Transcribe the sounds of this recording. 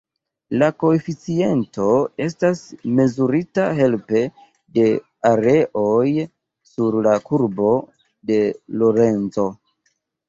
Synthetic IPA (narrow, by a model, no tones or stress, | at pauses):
lako̞efit͡sie̞nto̞e̞stasme̞zuɾitaɦe̞lpe̞ | de̞ | aɾe̞ʔoj | suɾlakuɾbo̞ | de̞lo̞ɾe̞nt͡so̞